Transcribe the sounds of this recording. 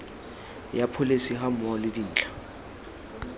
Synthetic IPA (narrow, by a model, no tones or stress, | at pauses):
japʰʊlesiɦam̩ɔlɪdin̩ːt͡ɬʰʼḁ